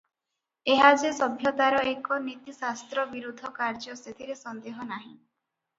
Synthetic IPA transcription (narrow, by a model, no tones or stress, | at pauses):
eɦad͡ʒesɔbʱjɔt̪aɾɔekɔnit̪isast̪ɾɔbiɾud̪ʱɔkaɾd͡ʒɔset̪ʰiɾesɔnd̪eɦɔnaɦĩ